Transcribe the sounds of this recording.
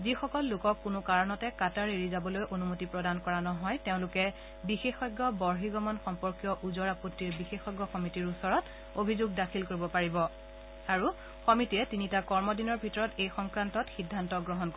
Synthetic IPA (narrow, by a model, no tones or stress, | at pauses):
zixɔkɔlːʊkɔkːʊnʊkaɹɔnɔtɛkataɹeɹizabɔlojʔonumotipɹɔdankɔɹanɔɦɔjteʊ̃lʊkɛ | bixexɔjɡːɔbɔɹɦiɡɔmɔnxɔmpɔɹkjɔʔuzɔɹapotːiɹbixexɔɡːɔxɔmitiɹusɔɹɔt | obʱizuɡdakʰilkoɹibɔpaɹibɔ | aɹu | xɔmitiɛtinitakɔɹmɔdinɔɹbʱitɔɹɔtejxɔŋkɹantɔtxidʱːantɔɡɹɔɦɔnko